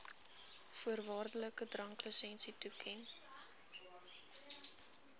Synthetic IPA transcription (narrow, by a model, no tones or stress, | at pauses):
fuərvɑːrdələkədrɐŋkləsɛnsitukʰɛn